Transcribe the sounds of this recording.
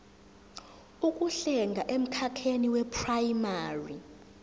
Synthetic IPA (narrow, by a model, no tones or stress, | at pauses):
ukʼuɬɛŋɡʱaʔem̩kʰakʰeniwɛpʰrajmaːri